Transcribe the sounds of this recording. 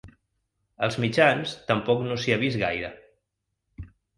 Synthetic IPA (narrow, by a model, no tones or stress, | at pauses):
əlˠzmid͡ʒanst̪əmpɔknosiaβizɣajɾə